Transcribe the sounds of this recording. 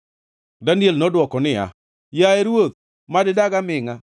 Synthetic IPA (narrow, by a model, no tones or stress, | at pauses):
danjelnɔdwɔkɔnɪa̰ | jaeɾwot̪̚ | madɪdaɡamɪŋa